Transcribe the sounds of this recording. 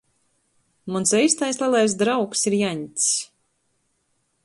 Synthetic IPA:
munsɛjst̪ajslˠɛlˠajs̬d̪ɾawksiɾjaɲʲt̪ʲsʲ

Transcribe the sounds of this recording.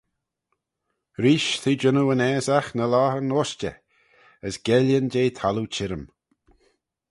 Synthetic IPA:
ɾiːʃt̪ʰiːd͡ʒənuənɛːzaxnəlaːənoːst͡ʃə̰ | əsɡ̥ɛljənd͡ʒeːt̪ʰalut͡ʃʰɪɾəm

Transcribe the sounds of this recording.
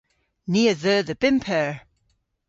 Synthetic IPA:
niəðəðəb̥ɪmpʰɛɹ

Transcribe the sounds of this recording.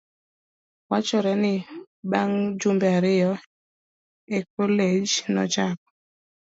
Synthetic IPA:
wat͡ʃɔɾɛnɪ | baŋd͡ʒumbɛaɾɪjɔ | ek̚oled͡ʒnɔ̰t͡ʃak̚ɔ̥

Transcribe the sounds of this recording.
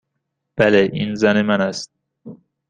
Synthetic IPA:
b̥æleʔinzænemænæst̪̚

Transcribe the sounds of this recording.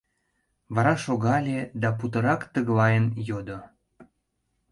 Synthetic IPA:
βɑɾɑʃoɣɑlʲed̪ɑput̪əɾɑkt̪əɣlɑjənjod̪o

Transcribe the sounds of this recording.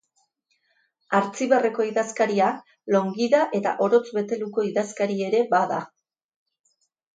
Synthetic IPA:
aɾt͡siβere̞ko̞iðaskaɾia | lo̞ŋɡiðaʔe̞t̪a̰ʔo̞ɾo̞t͡sβe̞t̪e̞luko̞iðaskaɾie̞ɾe̞baða

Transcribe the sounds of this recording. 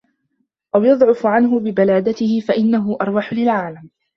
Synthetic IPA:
ʔawjɑd̪ˤʕʊfʕanɦʊbɪbalaːd̪at̪ɪhɪfaʔɪnːaɦʊʔɑɾˤwaħʊlɪlʕaːlam

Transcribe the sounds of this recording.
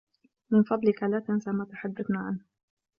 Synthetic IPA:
mɪnfɑd̪ˤlɪkalaːt̪ansamat̪aħad̪ːaθnaːʕa̰nh

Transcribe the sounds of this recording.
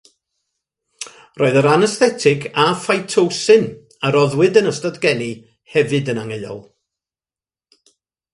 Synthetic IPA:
rʔoːɨðəɾanɛsθɛtʰɪɡafajtʰowsɨn | aɾɔðwɨdənəstadɡɛni | hɛvɨdənaŋeɨɔ̰lˠ

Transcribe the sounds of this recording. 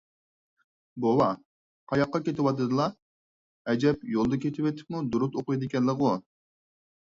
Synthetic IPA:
bowɑ | qʰɑjɑqːɑkʲet̪ʰɪwɑt̪ɨd̪ɨlˠɑ | ɛd͡ʒɛpjolˠd̪ɨkʲet̪ʰɪwet̪ʰɪ̥p̚mud̪uɾut̪oqʊjd̪ɪkʲɛnlːəqu

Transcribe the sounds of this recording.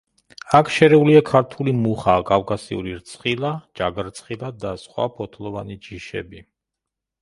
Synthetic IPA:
akʰʃɛɾɛuliakʰaɾt̪ʰulimuχaːkʼavkʼasḭṵɾiɾt̪sʰχilˠad͡ʒaɡɾt̪sʰʼχilˠad̪asχwa̰pʰɔt̪ʰlˠɔvanid͡ʒiʃɛ̰bi

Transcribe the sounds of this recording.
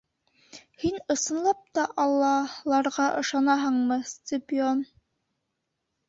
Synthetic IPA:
hinɤ̆sɤ̆nlˠɑp̚t̪ɑʔɑlˠːɑlˠɑɾʁɑʔɤ̆ʃɑnɑɦɤɴmɤsʲt̪ʲepɪon

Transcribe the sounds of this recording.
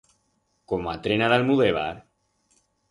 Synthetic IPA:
komoat̪ɾenalalmuðeβ̞a̰ɾ

